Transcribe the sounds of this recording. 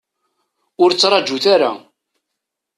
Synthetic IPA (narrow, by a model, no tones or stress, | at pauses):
ʊɾt͡sːɾˤɑd͡ʒːuθaɾa̰